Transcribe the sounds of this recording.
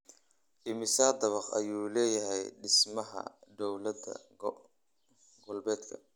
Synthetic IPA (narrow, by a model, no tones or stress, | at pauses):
ʔɪmɪsaːd̪ɐβɑqɐ̰juːlɛːjɐɦɛjɖɪsmɐɦɐ̰d̪ɔwlɐd̪ɐ̰ | ɡʊlbɛːd̪kʰɐ̰